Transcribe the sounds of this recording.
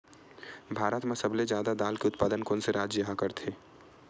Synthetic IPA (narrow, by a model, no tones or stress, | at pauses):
bʱaːɾət̪mẽsɐbled͡ʒjaːd̪ad̪aːlkeʊt̪paːd̪ənkoːnseɾaːd͡ʒjəɦakəɾt̪ʰeː